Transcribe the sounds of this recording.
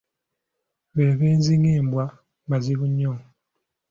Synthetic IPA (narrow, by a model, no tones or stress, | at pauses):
βeːβeːnziŋeːmbwa | maziβuɲːo